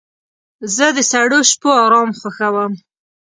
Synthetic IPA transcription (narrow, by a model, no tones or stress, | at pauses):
zəd̪əsaɽoʃpoɑɾɑmxwaxawəm